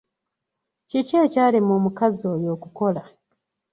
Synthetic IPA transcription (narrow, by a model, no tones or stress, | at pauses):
ceceːcaːlimoːmukazo̞jo̞ːkuko̞la